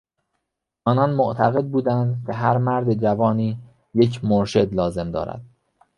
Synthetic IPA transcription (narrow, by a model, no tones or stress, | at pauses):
ʔɒːnɒːnmoʔt̪ʰæɣe̞d̪̚buːd̪ænd̪cʰe̞ɦæɾmæɾd̪ed͡ʒævɒːniː | jecʰmoɾʃe̞d̪lɒːze̞md̪ɒ̰ːɾæ̰d̪̥